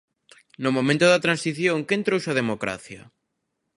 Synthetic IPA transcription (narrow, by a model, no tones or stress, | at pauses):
nʊmõmẽnt̪ʊðɐt̪ɾãnsiθjõŋkent̪ɾowsɐð̞emokɾa̰θjɐ